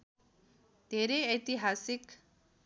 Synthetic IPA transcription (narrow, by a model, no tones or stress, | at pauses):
d̪̥ʱeɾeʌjt̪iɦasik